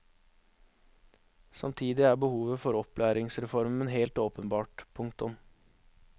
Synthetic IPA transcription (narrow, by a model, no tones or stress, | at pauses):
sɑ̰mt̪ʰiːd̪ɪæːbəhuːʋəfɔɾɔplʔæːɾɪŋsɾɛfɔɾmənɦeːlt̪oːpənbɑːʈpʰʊŋkt̪ʊm